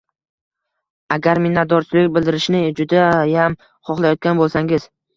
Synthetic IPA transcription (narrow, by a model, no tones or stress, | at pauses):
aɡʲaɾmɪnat̪d̪ɒɾt͡ʃʰɪlɪkʲbɪld̪ɪɾɪʃnɪd͡ʒʊd̪ajam | χɒχlˠajɒt̪̚kʲanbolˠsaŋɪz